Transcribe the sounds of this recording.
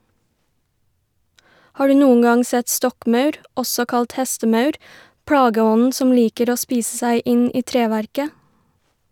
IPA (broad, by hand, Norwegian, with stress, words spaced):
ˈhɑː ˈɖʉː ˈnuːən ˈɡɑŋ ˈsɛt ˈstɔkˌmœʉɾ ˈɔsɔ ˈkɑlt ˈhɛstəˌmœʉɾ ˈpɽɑːɡəˌɔnn̩ ˈsɔm ˈliːkəɾ ˈoː ˈspiːsə ˈsæɪ ˈɪn ˈiː ˈtɾeːˌʋæɾkə